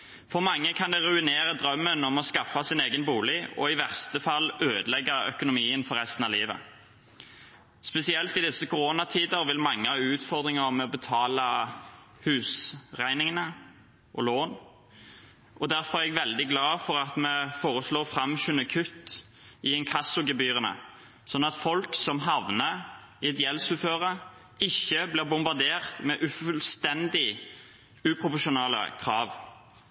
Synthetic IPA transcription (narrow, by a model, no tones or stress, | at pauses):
fɔʁmɑŋːəkʰɑnd̪ɛʁʉɪneːɾəd̪ɾœmːənɔmɔskɑfːɑsɪneːɡənbuːlɪɔ̰ɪʋæʁst̪əfɑlːøːd̪əlɛɡːɑœ̰kʊnʊmiːənfɔɾʁɛst̪ən̩ɑliːʋə̰ | spɛsɪɛlt̪ɪd̪ɪsːəkʊʁoːnɑt̪ʰiːd̪əʁʋɪlmɑŋːəhɑʉːt̪fɔʁd̪ʁɪŋəʁmɛɔbət̪ʰɑːlɑ | hʉːsʁæɪnɪŋənə | ʔɔloːn | ʔɔd̪æɾfɔɾʁæʁɛɡʋɛld̪ɪɡlɑːfɔɾɑt̪mɛfoːʁəsloːʁfʁɑmçʉnəkʰʉt̪ː | ɪɛnkʰɑsːʊɡɛbyːʁənə̰ | sɔnːɑt̪fɔlksɔmɦɑʋnə | ɪɛt̪jɛlsʉføːʁə | ɪçːəblɪːʁbʊmbɑʁd̪eːʁt̪mɛʔʉfʉlst̪ɛnd̪ɪ | ʉːpʰʁʊpɔʃʊnɑːlə̰kʰʁɑːʋ